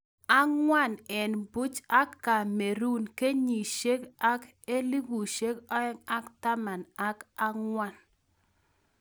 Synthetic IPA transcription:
a˦ŋwa˦˨nɛ˨nbu˦t͡ʃa˦kːa˨me˨ɾu˦nke˦ɲi˨ʃe˦ka˦k | e˦li˦ɡu˨ʃe˦kŋa˦kta˦ma˨na˦ka˦ŋwa˦˨n

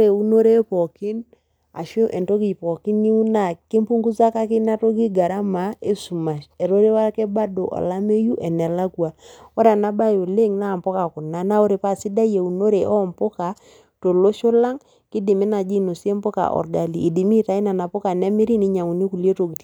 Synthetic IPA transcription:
ɾe˨u˦no˦ɾe˦pɔ˨ki˦n | a˨ʃo˦ʔɛ˨nto˦ɡi˨pɔ˨ki˦ni˦u˦na˨ki˦mpu˦ŋɡu˦sa˦ka˦ki˦na˦to˦ɡi˦ɡa˨ɾa˦ma˨˦e˦su˨ma˨ʃɛ˨ɾo˦ɾe˦wa˦ɾkɛ˦ba˦do˨ʔɔ̰˨la˦me˦ju˦ʔɛ˨nɛ˨la˦kwa˨ɔ˦ɾa˨na˦ba˦jo˨le˦ŋna˦˨mpɔ˦ka˨kʊ˨na˦na˦o˦ɾe˨pa˦˨si˦da˦je˨u˨no˦ɾe˨ʔɔ˦˨mpo˦ka˨ | to˨lo˦ʃo˦la˦ŋ | kɪ˦dɪ˨me˦na˨d͡ʒi˦no˨si˦e˦mpo˦ka̰˨ʔɔ̰˨ɾɡa˨liː˨di˨mi˦ta˨i˦na˨na˨po˦ka˨nɛ˦mi˦ɾi˦ni˦ɲa˨ŋu˨ni˦ku˨lje˦to˨ɡi˨ti˨

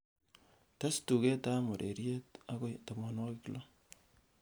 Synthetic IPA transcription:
ta˦stu˨ke˦ta˦mo˨ɾʔḛ˨ɾje˦ta˦ko˦ta˨mɔ˨nwɔ˦kɪ˦klo˦

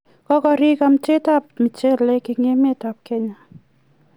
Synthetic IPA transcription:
kɔ˦kɔ˧ɾi˦ka˦mt͡ʃe˦ta˦˨p̚mɪ˨t͡ʃe˦le˦kɪ˨ŋe˦me˦ta˨p̚ke˦ɲa˦

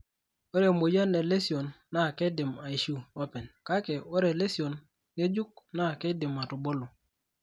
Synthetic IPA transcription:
o˦ɾe˨mo˨ja˦ne˨le˦si˨o˨nːa˦˨ke˦dɪ˨ma˨i˨ʃu˦ɔ˦pɛ˨nka˦ke˨o˦ɾe˨le˦si˨o˨n | ŋe˦d͡ʒu˦k̚na˦˨ke˦dɪ˨ma˨tu˨bo˦lo˨

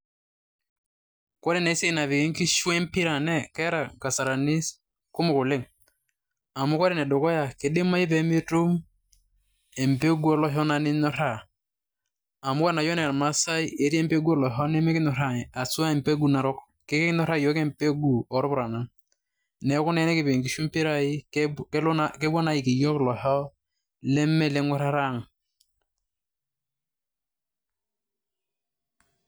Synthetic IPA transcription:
kɔ˦ɾe˨ne˨˦se˦˨na˨vɪ˨kɪ˦ŋkɪ˦ʃwɛ˦mpi˦ɾa˨nɛ˦kɛ˦ɾa˨ka˨sa˨ɾa˨ni˦s | kʊ˦mʊ˨kʊ˨lɪ˦˨ŋ | a˨mʊ˦kɔ˦ɾe˨nɛ˨dʊ˨kɔ˦ja˨ke˨dɪ˦ma˦ɪ˦p̬e˨˦mi˦tu˦m | ɛ˨mpe˦ɡu˦ɔ˨lɔ˦ɦɔ˦na˦nɪ˦nɔ˦ɾa˦˨ | a˨mʊ˦ka˦na˨jɔ˦nɛ˨ma˦sa˦i˦e˨˦ɾi˦ɛ˦mpe˦ɡu˦ɔ˦˨lɔ˨ɦɔ˦nɛ˦mɛ˦kɪ˦nɔ˨ɾa˨ŋ˨a˨su˦a˦ɛ˨m˨pe˦ɡu˦˨na˨ɾɔ˦k | kɛ˦kɛ˦nɔ˦ɾa˦˨jɔ˨˦kɛ˦mpe˦ɡu˨ɔ˨˦ɾɔ˦bʊ˨ɾa˨na˨n | nɛ˨˦kʊ˦nɛ˦nɛ˦kɪ˨be˨ŋki˨˦ʃu˦mpi˦ɾa˦ɪ˦ | kɛ˦bɔ˦na˨˦jɪ˨ki˨jɔ˦klɔ˨ɦɔ˦ | lɛ˦mːɛ˦˨lɛ˦ŋwɛ˦ɾa˦ɾa˦˨ŋ˨

